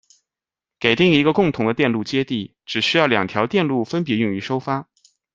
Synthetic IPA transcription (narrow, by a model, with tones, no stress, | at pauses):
ke˨˩ɪt̪i˥˩ŋi˧˥ɡə˧kʊ˥˩ŋt̪ʰʊ˧˥ŋd̪ə˧t̪jɛ˥˧nlu˥˩t͡ɕjɛ˥t̪i˥˩ | ʈ͡ʂɻ̩˨˩ɕy˥jɑ˥˩ʊljɑ˨˩ŋt̪ʰjɑ˧˥ʊt̪jɛ˥˧nlu˥˩fə˥np̬jɛ˧˥jʊ˥˩ŋy˧˥ʂo˥ʊfa˥